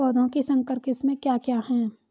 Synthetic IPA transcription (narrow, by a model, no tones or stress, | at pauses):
ɔːd̪ʱõkesɐ̃ŋkəɾkɪsmẽkjaːkjaːɦɛ̃ː